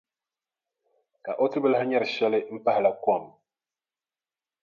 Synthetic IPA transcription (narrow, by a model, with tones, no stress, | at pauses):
ka˨ʔo˦ti˦bɨ˦lha˦ɲɛ˦ɾʃɛ˦lɪ˦m̩˦pa˦hla˨kwa˦˨m